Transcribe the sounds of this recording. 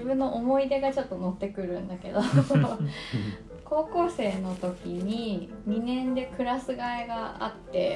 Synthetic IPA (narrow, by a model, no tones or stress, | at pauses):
ibɯ̟̃nːo̞ʔomo̞id̪e̞ɡat͡ɕo̞t̪ːo̞no̞t̪ːe̞kɯ̟ɾɯ̟̃nd̪ake̞d̪o | ko̞ːko̞ːse̞ːno̞t̪o̞kʲiɲ̟iɲ̟inẽ̞nd̪e̞kɯ̟ɾasɨɡaeɡaa̰t̪ːe̞